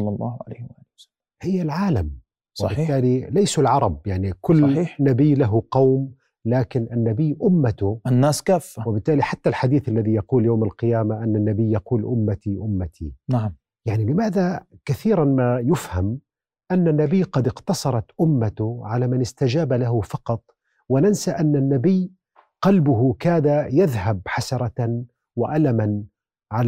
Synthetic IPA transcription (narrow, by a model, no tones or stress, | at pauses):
ɑlːɑlˤːɑ̰ːhʊʕa̰la̰jhɪwʔaːlɪwsa | hɪjːalʕaːlam | sˤwɪɑbɪːaːlilajsulʕɑɾˤɑbjaʕnikʊlːiːnːabɪjːlaɦʊqɑwm | laːkɪnʔanːabɪjːʔʊmːat̪ʊanːaːskaːfːawɪbɪt̪ːaːliħat̪ːalħad̪iːθalːaðijɑquːljawmalqɨjaːmaʔanːanːabɪjːɑquːlʔʊmːat̪iʔʊmːat̪ʰinaʕm | jaʕnilɪmaːðakaθiːɾanmajʊfham | ʔanːanːabɪjːqɑd̪ɪqt̪ɑsˤɑɾˤɑt̪ʔʊmːat̪ʊʕalamɪnɪst̪ad͡ʒaːbalaɦʊfɑqɑt̪ˤ | wɪnansaʔanːanːabɪjː | qɑlbʊɦʊkaːd̪ajaðɦabħasɑɾˤɑ | wɪʔalaman | ʕal